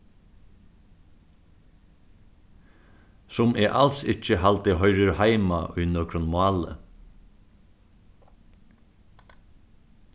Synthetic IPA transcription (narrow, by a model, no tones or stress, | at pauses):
sʊmɛːʔalsɪt͡ʃəhalt̪əɦœʏɾɪɾhajma̰ʔʊjnɔːkɾʊnmʊɑːlə̰